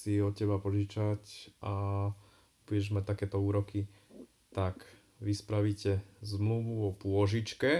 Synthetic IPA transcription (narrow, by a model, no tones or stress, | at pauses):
siɔt̪̚cɛbapɔʒit͡ʃaca | b̥ujɛʒmac̚t̪akɛːt̪ɔuːɾɔki | t̪ak | ʋispɾaʋicɛzmluʋuɔpʊɔʒit͡ʃkɛ